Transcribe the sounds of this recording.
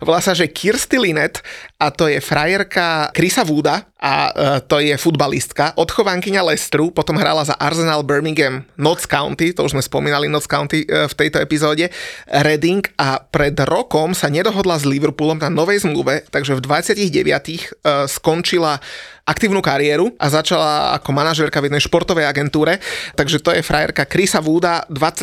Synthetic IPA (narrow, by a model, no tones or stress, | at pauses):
ɔʋɔ̰lasaʒɛkʰiɾst̪ilinɛt̪at̪ɔjɛfɾajɛɾkakɾisaʋuːd̪aʔa̰t̪ɔjɛfud̪balḭst̪kaʔɔt̪xɔʋaŋkiɲalɛst̪ɾupɔt̪ɔmɦɾa̰ːlaza̰ʔaɾzɛnaːlbɛɾmiŋɡɛmnɔt͡skaʊnt̪it̪ɔuʒzmɛspɔmiːnalinɔt͡skaʊnt̪ift̪ɛjt̪ɔɛpizɔːɟɛɾɛd̪iŋkapɾɛd̪ɾɔkɔmsaɲɛd̪ɔɦɔd̪lazliʋɛɾpulɔmnanɔʋɛjzmluʋɛt̪aɡʒɛvd̪ʋat͡sɪaciɣɟɛ̰ʋɪa̰t̪ixskɔnt͡ʃilaʔakt̪iːʊnukaɾiɛɾuʔazat͡ʃalaa̰kɔmanaʒɛːɾkavjɛd̪nɛjʃpɔɾt̪ɔʋɛjaɡɛnt̪uːɾɛt̪aɡʒɛt̪ɔjɛfɾʔajɛ̰ɾkakɾisaʋuːd̪ad̪ʋat͡sː